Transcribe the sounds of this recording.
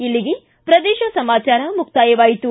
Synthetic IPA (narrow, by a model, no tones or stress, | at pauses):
ilːiɡe | pɾɐd̪eːʃɐsɐmaːt͡ʃaːɾɐmuk̚t̪aːjɐʋaːjit̪u